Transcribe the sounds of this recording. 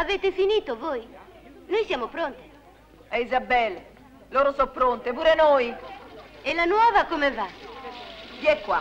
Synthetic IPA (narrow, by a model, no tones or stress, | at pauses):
aveːt̪efiniːt̪ovojnojsjaːmopɾont̪e̥ | ɛizabɛl | loːɾosɔpːɾont̪epuːɾenoj | ɛlanwɔːvakomeva | ɡiɛkːwa̰